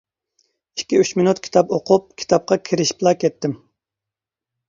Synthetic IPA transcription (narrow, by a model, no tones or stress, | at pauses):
i̥kʲːiyt͡ʃmɪnut̪kʲʰi̥t̪ɑpoqʰup̚kʲʰi̥t̪ʰɑp̚qʰɑkʲʰiɾɪʃi̥plˠɑkʲʰɛt̪ʰːɪm